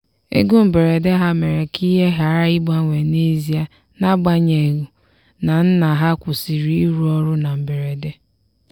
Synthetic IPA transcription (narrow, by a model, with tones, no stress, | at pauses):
ḛ˦ɡu˦m̩˨be˨ɾe˨de˦ɦa˦me˨ɾe˨kʰi˦ɦe˦ɦa˨ɾa˦i˦ba˦ŋʷe˨ne˦zi˨a˨ | na˦ɡ͡ba˦ɲe˨ɣu˨ | na˨n̩˦na˨ɦa˦kʷʊ˨si˨ɾi˦i˦ɾu˦ɔ˦ɾʊ˦na˨m̩˨be˨ɾe˨de˦